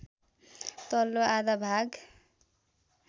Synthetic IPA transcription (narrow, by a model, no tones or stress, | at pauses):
t̪ʌlːoad̪abʱaɡ